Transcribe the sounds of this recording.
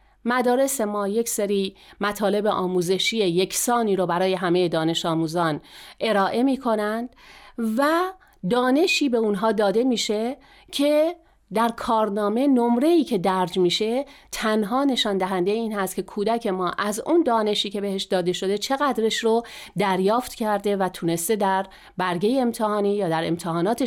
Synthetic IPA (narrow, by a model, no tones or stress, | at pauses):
mæd̪ɒːɾe̞se̞mɒːje̞cseɾiːmæt̪ʰɒːle̞beʔɒːmuːze̞ʃiːeje̞cʰsɒːniːɾobæɾɒːje̞ɦæme̞je̞d̪ɒːne̞ʃɒːmuːzɒːnʔe̞ɾɒːʔe̞miːkʰo̞nænd̪̥væ | d̪ɒːne̞ʃiːbe̞unɦɒːd̪ɒːd̪e̞miːʃe̞ | cʰe̞ | d̪æɾkʰɒːɾnɒːme̞no̞mɾe̞iːcʰe̞d̪æɾd͡ʒmiːʃe̞t̪ʰænɦɒːne̞ʃɒːnd̪æɦænd̪ejeiːnhæst̪kcʰe̞kʰuːd̪æcʰe̞mɒːʔæzund̪ɒːne̞ʃiːcʰe̞be̞he̞ʃd̪ɒːd̪e̞ʃo̞d̪e̞t͡ʃʰe̞ɣæd̪ɾeʃɾod̪æɾjɒːft̪cʰæɾd̪e̞væt̪ʰune̞st̪e̞d̪æɾ | bæɾɡe̞jeːmt̪ʰehɒːniːjɒːd̪æɾe̞̰mt̪ʰeɦɒːnɒːt̪ʰe